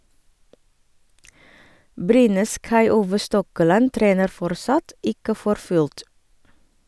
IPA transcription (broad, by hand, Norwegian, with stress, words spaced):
ˈbɾyːnəs kɑɪˈuːʋə ˈstɔkəˌlɑn ˈtɾeːnəɾ ˈfɔɾˌsɑt ˈɪkə ˈfɔɾ ˈfʉlt